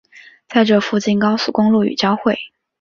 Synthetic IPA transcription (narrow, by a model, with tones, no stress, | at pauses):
t͡sa˥˧ɪʈ͡ʂɤ˥˩fu˥˧t͡ɕi˥˩nkɑ˥ʊsu˨˩kʊ˥ŋlu˥˩y̰˨˩t͡ɕjɑ˥ʊxwe˥˩ɪ